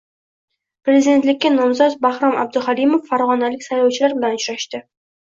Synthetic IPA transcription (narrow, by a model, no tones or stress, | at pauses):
pɾe̞zid̪e̞nt̪lɪkʲːanɒmzɒt̪bahɾɒma̰b̚d̪ʊhalimofːaɾʁɒnalɪkʲsajlɒwt͡ʃʰɪlaɾbɪlanʊt͡ʃʊɾaʃt̪ɪ